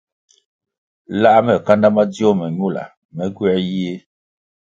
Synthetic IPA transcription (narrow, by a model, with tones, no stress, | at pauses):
la˦mɛ˨ka˦nda˦ma˦d͡zjɔ˦mɛ˨ɲu˦˨la̰˨ | mɛ˦ɡɥɛ˦je˦